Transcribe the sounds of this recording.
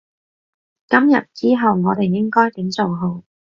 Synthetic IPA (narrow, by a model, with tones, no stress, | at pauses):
kɐ˥mjɐ̰˨t̚t͡siː˥ɦɐ˨wŋɔː˨˧t̪e˨˩jjɪ˥ŋkɔː˥jt̪i˨˥mt͡so˨wɦo˨˧w